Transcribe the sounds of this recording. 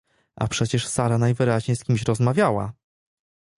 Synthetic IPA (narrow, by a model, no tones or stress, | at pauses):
a̰pʂɛt͡ɕɛʂsaɾanajvɘɾaʑɲejskʲimɕɾɔzmavʲjawa̰